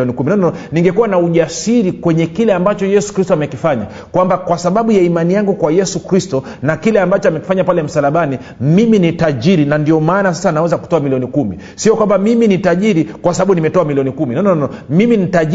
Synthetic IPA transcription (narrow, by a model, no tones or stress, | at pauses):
nikuminɔnɔnɔniŋɡɛkuwanauʄasiɾikwɛɲɛkilɛambat͡ʃɔjɛsu̥kɾistɔamɛkifaɲa̰ | kwambakwasaɓaɓujaimanijaŋɡukwajɛsukɾistɔ | nakilɛambat͡ʃɔamɛki̥faɲapalɛm̩salaɓani | miminitaʄiɾinandiɔmaːnas̬asanawɛzaku̥tɔamiliɔnikumḭ | siɔkwambamiminitaʄiɾikwasaɓaɓunimɛtɔamiliɔnikuminɔnɔnɔnɔmiminitaʄ